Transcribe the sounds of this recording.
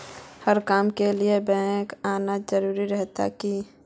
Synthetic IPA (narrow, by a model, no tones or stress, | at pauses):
həɾkaːmkeliebɛ̃ːkaːnazəɾuːɾiɾɛɦt̪a̰ki